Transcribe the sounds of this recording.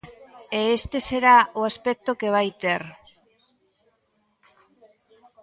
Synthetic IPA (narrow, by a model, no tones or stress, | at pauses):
eːst̪e̞se̞ɾaoaspek̚t̪okeβajt̪er